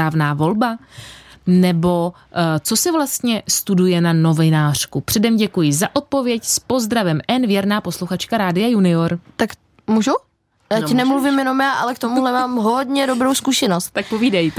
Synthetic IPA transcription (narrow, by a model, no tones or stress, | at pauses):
aːvnaːvo̞lba | nɛbo̞ | t͡so̞sɪvlast̪ɲɛst̪udujɛnano̞vɪnaːr̝̥kupr̥ɛdɛmɟɛkujɪzaʔo̞t̪̚povjɛcspo̞zd̪ɾavɛmʔɛnvjɛɾnaːpo̞sluxat͡ʃkaɾaːdɪajunɪoɾt̪ak | muʒu | jaːɛnɛmluvɪmjɛnomjaːʔalɛkt̪omuɦlɛmaːmɦodɲɛdobɾowskuʃɛnost̪̚t̪ak̚poviːdajt̪